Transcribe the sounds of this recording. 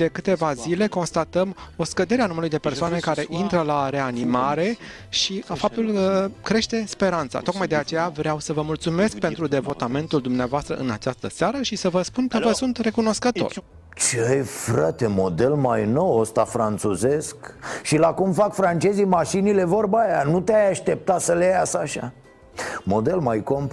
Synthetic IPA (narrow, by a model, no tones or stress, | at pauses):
d̪̥e̞kɨt̪e̞vazile̞ko̞nst̪at̪əmo̞skəd̪e̞ɾeanuməlujd̪e̞persoane̞kaɾe̞ʔint̪ɾəlaɾe̞animaɾe̞ | ʃiafap̚t̪ulkəkɾe̞ʃt̪e̞spe̞ɾant̪sa̰t̪o̞kmajd̪e̞at͡ʃe̞javɾeawsəvəmult̪sume̞sk̚pe̞nt̪ɾud̪e̞vo̞t̪ame̞nt̪uld̪umneavoast̪ɾəʔɨnat͡ʃast̪əsaɾəʃisəvəspunkəvəsunt̪re̞kuno̞skət̪o̞̰r | t͡ʃeajfɾat̪e̞mo̞d̪e̞lmajno̞wost̪afɾant̪suze̞skʃilakumfakfɾant͡ʃe̞zimaʃinile̞vo̞rbajanut̪eajaʃt̪e̞p̚t̪asəlejasaʃa̰ | mo̞d̪e̞lmajko̞mp